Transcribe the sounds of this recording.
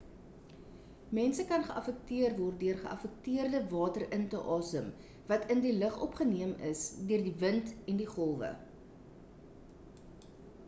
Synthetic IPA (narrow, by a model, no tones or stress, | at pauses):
mɛnsəkɐnχəʔɐfɛk̚tiərvɔrt̚døərχəʔɐ̰fɛk̚tiərdəvɑːtərəntəʔɑːsəm | vɐtʰəndiləχɔpχəniəməsdøərdivəntɛndiχɔlˠvə̰